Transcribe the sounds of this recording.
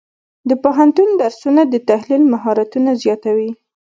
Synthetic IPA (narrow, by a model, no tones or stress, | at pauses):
d̪əpoɦant̪und̪aɾsunad̪ət̪ahlilmaɦɑɾat̪unazjɑt̪awi